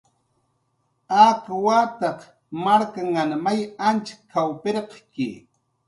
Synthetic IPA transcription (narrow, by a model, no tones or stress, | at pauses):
akwat̪ɑq | maɾkaŋanmajant͡ʃkʰːawpeɾqkɪ̰